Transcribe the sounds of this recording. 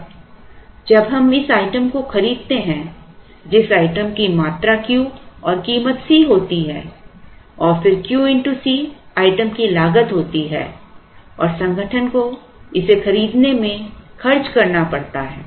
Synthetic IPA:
d͡ʒɐbɦɐmɪsaːɪʈəmkoxɐɾiːd̪̚t̪eɦɛ̃ | d͡ʒɪsaːɪʈəmkimaːt̪ɾakjũɔːɾkiːmət̪siɦoːt̪iɦɛ̰̃ː | ɔːɾfɪɾkjuːɪ̃ɳʈusiaːɪʈəmkilaːɡət̪ɦoːt̪iɦɛ̰ː | ɔ̰ːɾsɐ̃ŋɡʱəʈʰənko | ɪsexɐɾiːd̪nemẽkʰɐɾt͡ʃkɐɾnapɐɽt̪aɦɛː

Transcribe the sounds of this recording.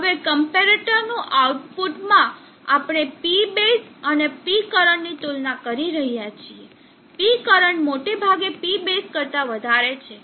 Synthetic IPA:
ɦəʋekəmpeɾeʈəɾnũʔauʈpuʈmã | apɽ̃epibesənepikəɾəɳːit̪ulnakəɾiɾəɦijat͡ʃʰie | pikəɾəɳmoʈebʱaɡepibeskəɾt̪aʋəd̪ʱaɾet͡ʃʰe

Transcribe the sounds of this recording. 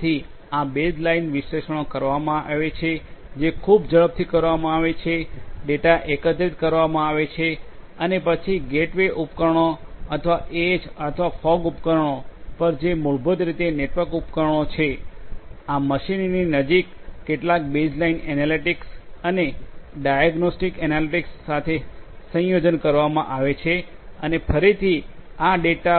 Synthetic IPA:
t̪ʰi | abed͡ʒlainʋiʃleʃəɳ̃okəɾʋamãʔaʋet͡ʃʰed͡ʒekʰubd͡ʒəɭəb̚t̪ʰikəɾʋamãaʋet͡ʃʰeɖeʈaʔekət̪ɾit̪̚kəɾʋamãaʋet͡ʃʰe | ənepət͡ʃʰiɡeʈʋeʔupkəɾɳ̃oət̪ʰʋaʔed͡ʒət̪ʰʋafɔɡupkəɾɳopəɾd͡ʒemuɭbʱəd̪ɾit̪eneʈʋəɾkupkəɾɳot͡ʃʰe | aməʃinninəd͡ʒikːeʈlak̚bed͡ʒlainenaliʈiksəneɖajaɡnosʈikɛnaliʈiksːat̪ʰesə̃jod͡ʒənkəɾʋamã̰ʔaʋet͡ʃʰe | ənefʰəɾit̪ʰiaɖeʈa

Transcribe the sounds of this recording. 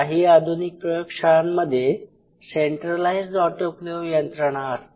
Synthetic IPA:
aɦiːad̪ʱunik̚pɾəjokʂanməd̪ʱje | seɳʈɾəlaisd͡zɔʈokleʋijənt̪ɾəɽ̃aəs

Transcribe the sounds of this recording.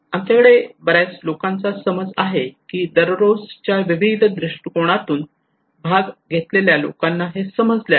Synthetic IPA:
amt͡ɕakəɽebəɾajt͡slokãnt͡sasəməd͡za̰ɦekiːd̪əɾɾod͡zt͡ɕjaʋiʋid̪ʱd̪ɾiʂʈikoɽ̃at̪uːn | bʱaɡɡʱet̪leljalo̰kãnːaɦesəməd͡zlja

